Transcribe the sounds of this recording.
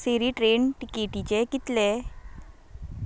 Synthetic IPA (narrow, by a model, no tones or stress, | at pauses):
seɾiːʈɾenʈikeʈit͡ɕekit̪le